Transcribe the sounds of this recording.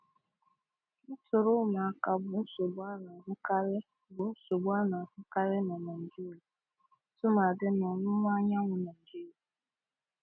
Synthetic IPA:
n̩˦tʊ˨ɾʊ˦ma˨a˨ka˨bʊ˨n̩˦so˨ba˦na˨ɦʊ˦ka˦ɾɪ˦ | bʊ˨˦so˨ba˦na˨ɦʊ˦ka˦ɾɪ˦nɔ˨na˨n̩˨d͡ʒi˦la˨˦ | tʊ˦ma˨dɪ˦nɔ˨nʊ˦ŋʷ˦a˦ɲa˦ŋʷʊ˨na˨ŋ̩˨d͡ʒi˦

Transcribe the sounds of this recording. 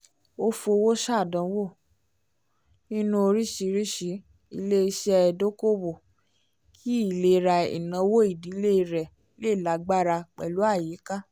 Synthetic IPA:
o˦fo˧wo˦ʃa˦˨dã˧˦wo˦˨ | nĩ˦nũ˦o˧ɾi˦ʃi˨˧˦ɾi˦ʃi˨˦ | i˧le˦i˧ʃɛ˦˧ɛ˧do˦ko˦bo˨ | kʰi˦i˦˨le˦˨˧ɾa˧ḭ˨nã˧˦wo˦i˦˨di˨˦le˦i˧ɾɛ˨˦ | le˦i˦˨la˨˦ɡ͡ba˦ɾa˧k͡pɛ˨lu˨˦a˦˨ji˨˦ka˦

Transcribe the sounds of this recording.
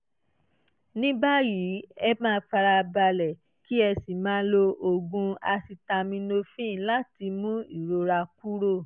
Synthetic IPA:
nĩ˦ba˦ji˨˦ɛ˧mãː˦˧˦fa˧ɾa˧ba˧lɛ˨ | ki˦ɛ˧si˨mãː˨˦lo˧o˧ɡũ˧a˧si˧ta˧mĩ˧no˧fĩ˦˨la˦ti˧mũ˦i˦˨ɾo˧ɾa˧ku˦ɾo˦˨

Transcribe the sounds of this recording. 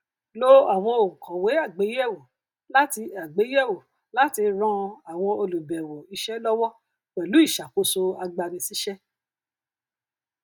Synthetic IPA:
lo˦a˨w̃ɔ̃˧o˨ŋ̩˨kɔ̃˨we˨˦a˦˨ɡ͡be˨˦jɛ˦˨wo˨ | la˦ti˧a˨ɡ͡be˨˦jɛ˦˨wo˨ | la˨˦ti˧ɾã˧a˨w̃ɔ̃˧o˧lu˨bɛ˨wo˨i˨ʃɛ˦lɔ˦wɔ˦ | k͡pɛ˨lu˨˦i˦˨ʃa˨ko˧so˧a˧ɡ͡ba˧ɾĩ˧si˦ʃɛ˦

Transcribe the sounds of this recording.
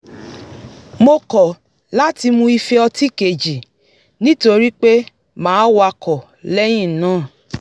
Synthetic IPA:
mo˧kɔ˨ | la˦ti˧mũ˧i˧fe˧ɔ˧ti˦ke˨d͡ʒi˨ | nĩ˦to˧ɾi˦k͡pe˦ | mãː˨˦wa˧kɔ˨ | lɛ˦j̃ĩ˦˨nãː˦˨

